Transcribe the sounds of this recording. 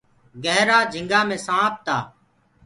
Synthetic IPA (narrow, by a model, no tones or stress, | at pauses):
ɡəɦɾaːd͡ʒʱɪ̃ŋɡaːmẽːsãːp̚t̪aː